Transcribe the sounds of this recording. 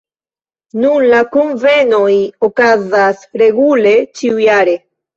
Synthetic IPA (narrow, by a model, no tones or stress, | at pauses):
nunlakonvenojokazasɾe̞ɡule̞t͡ʃiujaɾe